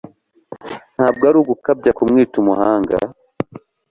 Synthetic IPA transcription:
n̥haːb̚ɡaɾuːɡukabɟakumŋiːtumuɦaːŋɡa̰

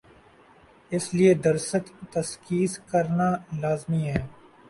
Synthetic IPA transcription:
ɪslied̪ɐɾsət̪t̪ɐskiːskɐɾnalaːzmiɦɛː

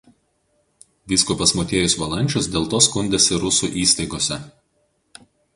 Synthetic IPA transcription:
ʋʲiːskuːpɐsmoːt̪ʲeːjʊsʋɐlˠɐnʲt͡ʃʲʊsd̪ʲeːlˠt̪oːskʊnʲd̪ʲɛsʲɪɾʊsuːʔiːsʲt̪ɐɪɡoːsʲɛ

